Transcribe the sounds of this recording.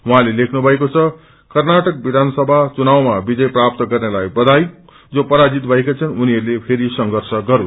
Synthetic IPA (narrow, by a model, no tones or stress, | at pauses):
wuɦãlelekʰnubʱʌekot͡sʰʌ | kʌrnaʈʌk̚bid̪ʱansʌbʱat͡sunawmabid͡zʌjprap̚t̪ʌɡʌrnelajbʌd̪ʱaj | d͡zopʌɾad͡zit̪bʱʌekat͡sʰʌnuniʌɾlepʰeɾisʌŋɡʱʌrsʌɡʌɾu